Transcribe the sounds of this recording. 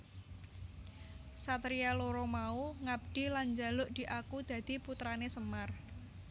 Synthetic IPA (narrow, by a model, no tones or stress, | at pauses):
sat̪ɾialoɾɔmauŋab̚ɖ̪̥i̤land͡ʒalʊʔd̪̥i̤ʔakud̪̥ä̤d̪̥i̤put̪ɾanesəmar